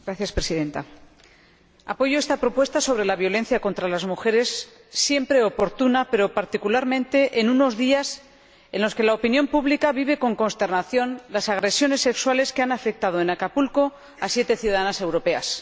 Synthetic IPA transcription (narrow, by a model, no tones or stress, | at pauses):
ɡɾaθjaspɾe̞siðẽ̞nt̪a | apo̞ʝoe̞st̪apɾo̞pwe̞st̪aso̞β̞ɾe̞laβ̞jo̞le̞n̟θjako̞nt̪ɾalazmuxe̞ɾe̞sː | je̞mpɾe̞o̞po̞ɾt̪unape̞ɾo̞paɾt̪ikulaɾmẽnt̪e̞ʔenuno̞zðias | e̞nlo̞ske̞laopinjõ̞mpuβlikaβiβ̞e̞ko̞ŋko̞nst̪e̞ɾrnaθjo̞nlasaɣɾe̞sjo̞ne̞sːe̞kswale̞skeanafe̞k̚t̪að̞oenakapulko̞ | asje̞t̪e̞θjuðaðanase̞wɾo̞pe̞a̰s